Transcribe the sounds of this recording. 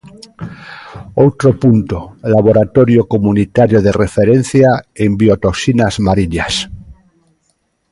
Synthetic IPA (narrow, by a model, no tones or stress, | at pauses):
owt̪ɾopunt̪olaβoɾat̪oɾjokomunit̪aɾjoðerefeɾẽn̟θjaembiot̪oksinazmaɾiɲas